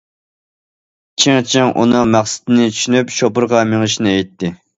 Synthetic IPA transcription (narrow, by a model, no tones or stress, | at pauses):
t͡ʃʰiŋt͡ʃʰɪŋʔṵnɨŋmæχsɪ̥t̪ɪnɪt͡ʃʰy̥ʃynypʃopʊɾʁɑmeŋɨʃinɪɛjt̪ːɪ